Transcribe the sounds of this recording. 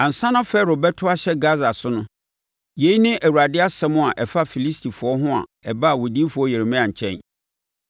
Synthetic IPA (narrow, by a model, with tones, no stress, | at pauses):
ã˨n̩˨sã˦nã˦fɛ˦ɾo˨bɛ˦tʰʊ˦a˦ɕɛ˦ɡa˦za˨sʊ˦nʊ̃˦ | je˨˦i˦nɪ̃˦ʔæ˨wu˨a˨dɪ˦a˦sɛ̃˦mʊ̃˦a˨ʔɛ˨fa˦fi˨li˦stʰi˨fʊ˨ɔ˦ɦʊ̃˦a̰˨ɛ˨ba˦˨wo˨di˦e˦fʊ˨ɔ˦je˨e˨mɛ̃˦ã˨ɲ̩˨t͡ɕʰɛ̰̃˦n